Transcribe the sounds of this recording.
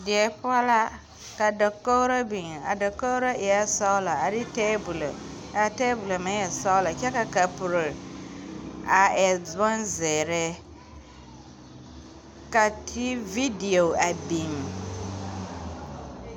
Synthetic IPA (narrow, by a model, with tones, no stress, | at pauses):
dɪ˨ɛ˨pʊ˦a˦la˦ | ka˨dɔ˨ko˦ɾa˦bi˨ŋ˨a˨dɔ˨kːo˦wɾa˦ʔɪ˨a˦sɔ˦la˨a˨dɪ˦tɛː˦bu˨lo˨ | a˨tɛː˦bu˨lo˨mã˨˦ɛ˨sɔ˦wla˨t͡ʃɛ˦ka˨ka˨pʊ˨ɾe˨ | a˨ɛ˨dɔ˦nzɛ˨ɾɛ˦ | ka˨tʰi˦vi˦di˨o˨a˨bi˨ŋ˨